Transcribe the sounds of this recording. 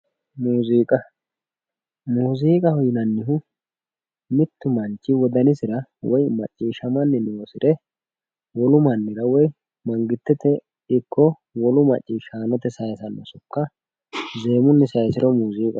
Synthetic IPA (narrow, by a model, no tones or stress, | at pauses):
muːziːkʼɐ | muːziːkʼɐhɔjɪnɐnːɪɦʊ | mɪt̪ːʊmɐnt͡ʃːɪwɔd̪ɐnɪsɪɾɐwɔjmɐ̰t͡ʃʼːiːʃɐmɐnːɪnoːsɪɾɛ | wɔlʊmɐnːɪɾɐwɔj | mɐŋɡɪt̪ːɛt̪ɛ | ɪkʰːɔ | wɔlʊmɐ̰t͡ʃʼːiːʃaːnɔt̪ɛsɐjsɐnːɔsʊkːɐ | ze̞ːmʊnːɛsɐjsɪɾɔmuːziːkʼɐ